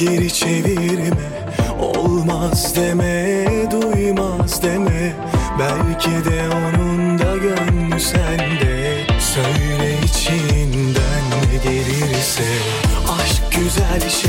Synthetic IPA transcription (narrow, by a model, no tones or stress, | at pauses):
eɾit͡ʃʰe̞viɾimɛ | o̰llˠmazd̪emɛd̪ujmazd̪emɛ | bælʲcʰid̪ɛo̞nund̪aɟønmysænd̪ɛ | søjɾɛit͡ʃʰind̪ænːɛd̪eɾiɾsɛ | aʃkɟyzælʲʃ